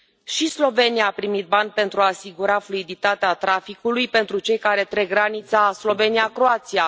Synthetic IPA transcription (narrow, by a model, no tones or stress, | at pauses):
ʃislo̞ve̞nijaːpɾimit̪̚banʲpe̞nt̪ɾuaːsiɡuɾafluid̪it̪at̪eat̪ɾafikulujpe̞nt̪ɾut͡ʃe̞jkaɾe̞t̪ɾe̞ɡːɾanit̪saslo̞ve̞niakɾo̞at̪sia